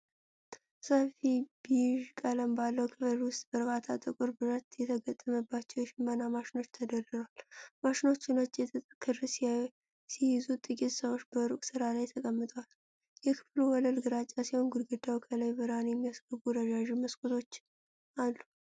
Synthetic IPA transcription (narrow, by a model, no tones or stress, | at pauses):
səfibiʒkʼələmbalːəwkʰɨfɨɾwʊst̪ʼbəɾbat̪ʰat̪ʼɨkʼʊɾbɨɾət̪jɛt̪ʰəɡət̪ʼːəməbːat͡ʃːɛwjɛʃɪmːənamaʃɪno̞t͡ʃːt̪ʰəd̪ərɨzəwalmaʃɪno̞t͡ʃːɪnət͡ʃʼːjɛt̪ʰʼkʰːɨɾs | sijɪzut̪ʼɨkʼet̪ʼsəβo̞t͡ʃːbəɾukʼsɨɾalajt̪ʰəkʼəmːɨt̪ʼwal | jɛkʰɨ̥fluwɔləlɡɨɾat͡ʃʼːasiho̞nɡud̪ɡɨd̪awkʰələjbɨɾanjɛmːiasɡəbuɾəd͡ʒaʒiməskʼut̪ʰo̞t͡ʃː | ʔalːu